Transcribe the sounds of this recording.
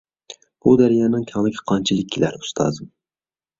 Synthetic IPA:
b̥ud̪æɾjɑːnɪŋkʲʰɑŋnɪkʲʰɛ̥qʰɑnt͡ʃʰilˠɪk̚ʲʰːilæɾu̥st̪ʰɑ̰ːzɨm

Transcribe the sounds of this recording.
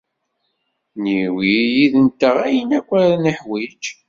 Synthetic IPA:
niwijiðənt̪ːəʁæjənækʷːæɾnəħwid͡ʒ

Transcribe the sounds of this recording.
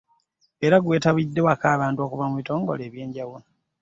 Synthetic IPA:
e̞ɾaɡwe̞ːtaβidːe̞wakaːβaːntuo̞ːkuvamuβito̞ːŋɡo̞̰le̞ːβje̞ːɲɟaβulo

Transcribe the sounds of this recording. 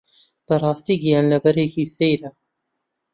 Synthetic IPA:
b̥ɨrˤɑːst̪iːɡijɑːnlɐbɛɾeːkiːsejɾɐ

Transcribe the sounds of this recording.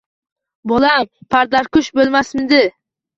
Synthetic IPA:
bolampʰaɾd̪aɾkʊʃbolˠmasmɪd̪ɪ

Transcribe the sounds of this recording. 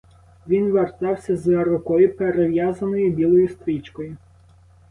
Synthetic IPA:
ʋʲinʋert̪ɑwsʲɐzɐɾʊkɔjʊpeɾeʋjazɐnɔjʊbʲilˠɔjʊst̪ɾʲit͡ʃkɔjʊ

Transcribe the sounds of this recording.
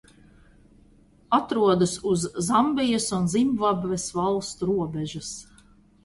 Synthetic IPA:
at̪ɾuɔd̪ɐsuzːambʲijasunzimvabvesvalˠst̪uɾuɔbɛʒɐs

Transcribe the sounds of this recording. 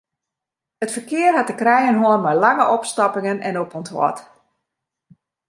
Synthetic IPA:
ətfərkɪərhatəkrɛjənɦoənmajlaŋəʔɔpstapɪŋənɛ̰noponthɔ̰t

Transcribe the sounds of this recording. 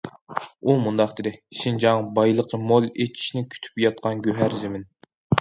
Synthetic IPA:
umund̪ɑqd̪ed̪ɪʃind͡ʒɑŋbɑjlˠəqʰəmolˠet͡ʃʰi̥ʃnɪkʲʰy̥t̪ʰy̥pjɑt̪̚qʰɑnɡʲøɦæɾzɪmɪn

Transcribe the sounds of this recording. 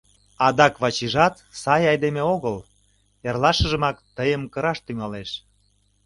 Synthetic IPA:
ɑd̪ɑkβɑt͡ɕiʒɑt̪sɑjɑjd̪emeoɣəl | erlɑʃəʒə̆mɑkt̪əjəmkəɾɑʃt̪yŋɑleʃ

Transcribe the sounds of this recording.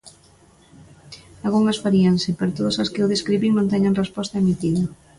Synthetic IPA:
alɣuŋɐsfaɾiɐnsɪpeɾt̪oðɐsɐskɪowðeskɾiβiŋnõnt̪ɛɲaŋrespɔst̪ɐemit̪iðɐ

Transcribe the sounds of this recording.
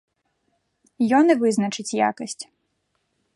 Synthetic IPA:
jɔnɛʋɪznɐt͡ʃɪt͡sʲja̰kɐsʲtʲ

